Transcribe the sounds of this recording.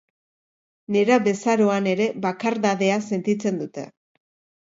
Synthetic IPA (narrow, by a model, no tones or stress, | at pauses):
ne̞ɾaβe̞saɾo̞ane̞ɾe̞βakaɾðaðe̞ase̞nt̪it͡se̞nd̪ut̪e̞̰